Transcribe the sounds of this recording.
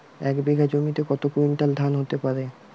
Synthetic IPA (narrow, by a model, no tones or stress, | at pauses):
ɛkbeɡʱad͡ʑomit̪ekɔt̪okuɾomiʈald̪ʱanɦot̪epaɾe